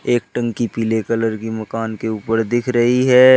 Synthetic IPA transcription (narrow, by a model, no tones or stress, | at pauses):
eːk̚ʈɐ̃ŋɡkipiːlekɐləɾkimɐkaːnkeuːpəɾd̪ɪkʰɾɐɦiɦɛː